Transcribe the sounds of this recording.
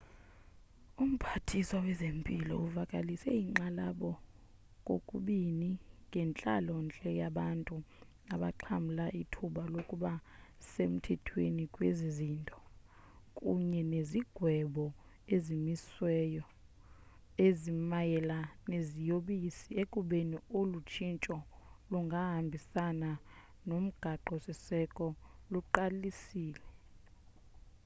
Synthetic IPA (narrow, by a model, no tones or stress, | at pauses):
um̩pʰatʰiswawɛzempʼilɔ̰uvakʼalisɛiŋ͡ǃalaɓɔ | kʼokʼṵɓiniŋʱɛnt͡ɬʼalɔnt͡ɬʼɛjaɓantʼunaɓaǃʰam̩laʔitʰuɓalokʼuɓasem̩tʰɛtʰwenikʼwezizintʼɔ̥ | kʼuɲɛneziɡ̥ʱwɛɓɔ | ezimiswɛjɔ | ezimajɛlanezijoɓisiekʼuɓeniolut͡ʃʰint͡ʃʼɔluŋɡʱaɦambʱisana | nom̩ɡ̥ʱaǃɔsisɛkʼɔluǃalisiːlɛ